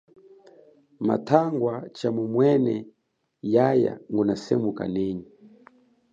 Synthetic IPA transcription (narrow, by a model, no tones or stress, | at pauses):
ma̰tʰaŋɡwat͡ʃamumwɛnɛ | jaja̰ŋɡunasɛmuka̰nɛːɲi